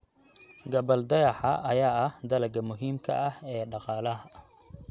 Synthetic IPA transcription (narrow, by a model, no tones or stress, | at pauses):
ɡɐbɐld̪ɐjɑħɐ̰ʔɐjaːɐhd̪ɐlɐɡɐmʊɦiːmkʰɐ̰ʔɐhɛːɖɑqɑːlɐɦɐ